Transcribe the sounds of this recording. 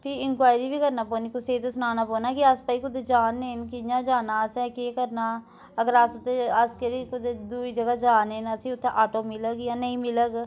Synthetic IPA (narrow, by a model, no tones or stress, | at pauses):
pʰiɪnkwaːjɾiːbʱiːkəɾnaːpoːniːkʊseːt̪esnaːnaːpoːnaːkiaspəːiːkʊd̪ed͡ʒaːnːeːnkɪjãːd͡ʒaːnaːsɛ̃ːkeːkəɾnaː | əɡəɾaːsʊt̪ːeəskəɾikʊd̪ed̪uːid͡ʒəɡad͡ʒaːneːnəsĩʊt̪ʰːeʔaːʈoːmɪləɡjãːnəĩːmɪləɡ